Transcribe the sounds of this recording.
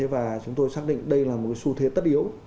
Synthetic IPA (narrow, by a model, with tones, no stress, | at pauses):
e˨˦vaː˨˩t͡ɕʊ˨˦ŋ͡mt̪o˧jsaː˦˥k̚ɗḭ˧˨ŋ̟ɗə˧jlaː˨˩mo˨˩t̚ka˨˦su˧t̪ʰe˨˦t̪ə˦˥t̚ʔi˨˦əw